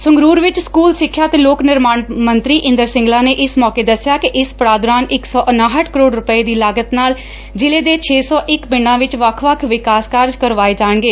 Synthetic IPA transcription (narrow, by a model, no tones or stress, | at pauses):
sʊŋɡɾuːɾʋɪt͡ʃskuːlsɪkʰːjaːt̪eːloːknɪɾmaːnmənt̪ɾiːʔɪ̃nd̪əɾsɪ̃ŋɡlaːneːʔɪsmɔːkeːd̪əsɪjaːkɪʔɪspəɽaːd̪ʊɾaːnɪksɔːʔənaːɦəʈʰkəɾoːɖɾʊpəeːd̪iːlaːɡət̪naːl | d͡ʒɪleːd̪eːt͡ʃʰeːsɔːʔɪkbɪɳɖãːʋɪt͡ʃʋəkʰʋəkʰʋɪkaːskəɾd͡ʒkəɾʋaːeːd͡ʒaːɳɡeː